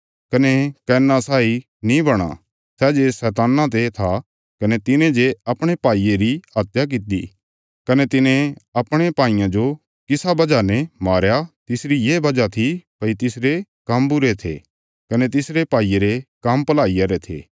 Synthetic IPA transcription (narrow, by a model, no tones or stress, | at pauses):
kɐnekɛːnːasaːi | nĩbɐɽ̃a̰ | sɛːd͡ʒesɛːt̪̬aːnãt̪̬et̪ʰa | kɐnet̪ɪnẽd͡ʒeɐpɽ̃epaːieɾiɦaːt̪jak̬ɪt̪ḭ | kɐnet̪ɪnẽɐpɽ̃epaːɪ̃jãd͡ʒo | kɪsabɐd͡ʒanɛmaːɾjat̪ɪsɾijeːbɐd͡ʒat̪ʰipɐit̪ɪsɾekɐmbʊɾet̪ʰḛ | kɐnet̪̬ɪsɾepaːieɾekɐmpɐlaːijaɾet̪ʰḛː